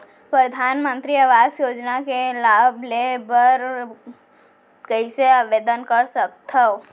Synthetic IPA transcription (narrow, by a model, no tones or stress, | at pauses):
pɾəd̪ʱaːnmə̃nt̪ɾiaʋaːzjoːd͡ʒnakelaːbʱlebəɾ | kəiseaʋeːd̪ənkɐɾsək̚t̪ʰɐo